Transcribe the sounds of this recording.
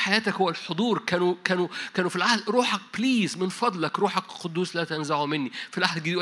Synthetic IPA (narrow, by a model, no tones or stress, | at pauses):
ħajæːt̪ækhowːælħod̪ˤuːɾˤkæːnukæːnukæːnufilʕahd̪ɾˤuːħɑk̚bliːzmenfɑd̪ˤlɑkɾˤuːħɑkqod̪ːuːslæːt̪ænzaʕumenːifilʔaħd̪ɡed̪iʔ